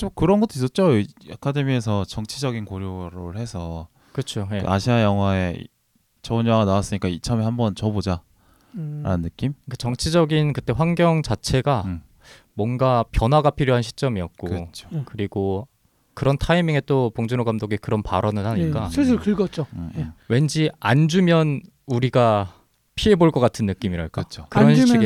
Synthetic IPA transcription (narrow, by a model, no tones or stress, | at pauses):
t͡ɕomkɯɾʌnɡʌt͈ʰois̬͈ʌt̚t͡ɕ͈oakʰade̞mie̞s̬ʰʌt͡ɕʌŋt͡ɕʰid͡ʑʌɡinkoɾjoɾɯɭhe̞sʰʌ | kɯt͡ɕʰojea̰ɕʰiajʌŋɦwaḛ | t͡ɕʌɯnjʌwaɡanawas͈ɯɲik͈ait͡ɕʰʌmehambʌnt͡ɕʌbod͡ʑa | ɾa̰nɯnːɯk͈imkat͡ɕʌŋt͡ɕʰid͡ʑʌɡinkɯt͈e̞ɸwaŋɡjʌŋt͡ɕat͡ɕʰe̞ɡa | mwʌnɡapjʌnɦwaɡapʰiɾjoɦanɕʰi̥t͡ɕ͈ʌmiʌt̚k͈ookɯɾiɡo | kɯɾʌntʰaimiŋe̞t͈opoŋd͡ʑunoɡamdoɡikɯɾʌnpaɾʌnɯɭhaɲikk͈asʰes̬ʰkɯɭɡʌt͡ɕ͈owe̞nd͡ʑiand͡ʑumjʌn | uɾiɡa | pʰiɦe̞boɭk͈ʌk͈atʰɯnːɯk͈imiɾaɭk͈at͡ɕʰokɯɾʌnɕiɡ